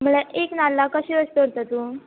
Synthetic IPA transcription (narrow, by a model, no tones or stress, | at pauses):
m̤əɭeʔeknalːakəɕeəst̪oɾt̪ət̪uː